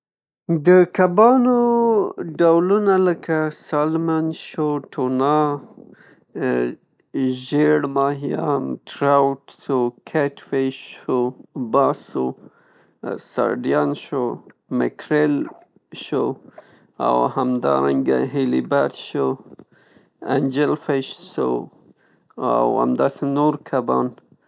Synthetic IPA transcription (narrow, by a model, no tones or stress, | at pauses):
d̪əkabɑno | ɖawlunaləkasɑlmanʃoʈʰonɑ | ʒeɽmɑɦijɑmʈɾawʈsokʰeʈweʃobɑso | sa̰ɾɖjɑnʃo | mɪkʰɾel | ʃo | a̰whamd̪ɑ̰ɾaŋɡaɦelibaɾt̪ʃo | and͡ʒelfeʃso | awa̰md̪ɑsenoɾkʰabɑ̰n